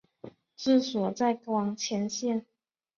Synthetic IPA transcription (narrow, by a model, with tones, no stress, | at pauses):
t͡sɹ̩˥˩swɔ˨˩t͡sa˥˩ɪkwɑ˧˥ŋt͡ɕʰjɛ˧˥nɕjɛ˥˩˨n